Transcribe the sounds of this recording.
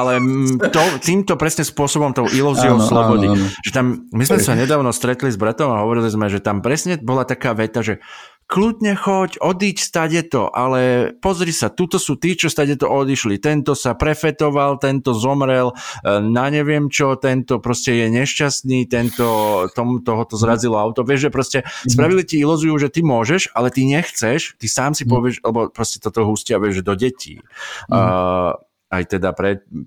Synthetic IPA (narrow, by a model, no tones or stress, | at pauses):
ʔalɛt̪ɔt̪iːmt̪ɔpɾɛsɲɛspʊɔsɔbɔmt̪ɔʊʔiluːziɔʊslɔbɔd̪iʒ̥ɛt̪ammizmɛssaɲɛd̪aːʊnɔst̪ɾɛt̪lizbɾat̪ɔmaɦɔʋɔɾilizmɛʒɛt̪ampɾɛsɲɛbɔlat̪akaːʋɛt̪aʒɛ | klud̪ɲɛxɔcɔd̪iːcst̪aɟɛt̪ɔ̰ʔalɛpɔzɾisat̪ut̪ɔsuːt̪iːt͡ʃɔst̪aɟɛt̪ɔʔɔd̪iʃlit̪ɛnt̪ɔsapɾɛfɛt̪ɔʋalt̪ɛnt̪ɔzɔmɾɛlnaɲɛʋɪɛmt͡ʃɔt̪ɛnt̪ɔpɾɔscɛjɛɲɛʃcast̪niːt̪ɛnt̪ɔt̪ɔmut̪ɔɦɔt̪ɔzɾazilɔaʊt̪ɔʋɪɛʒʒɛpɾɔscɛspɾaʋid̪liciilɔzujuːʒɛt̪imʊɔʒɛʃalɛt̪iɲɛxt͡sɛʃt̪isaːmsipɔʋɪɛʃalɛbɔpɾɔscɛt̪ɔt̪ɔɦuːscɪaʋɛʒʒɛd̪ɔɟɛcḭː | a̰jt̪ɛd̪apɾɛt̪